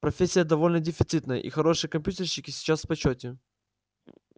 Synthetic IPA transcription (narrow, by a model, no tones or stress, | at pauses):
pɾɐfʲesʲːɪjəd̪ɐvo̞lʲnədʲɪfʲɪt̪sɨt̪nəjə̰ʔḭxɐɾo̞ʂɨjəkɐmpʲjutʲɪrɕːɪkʲɪsʲɪ̥t͡ɕasfpɐt͡ɕotʲɪ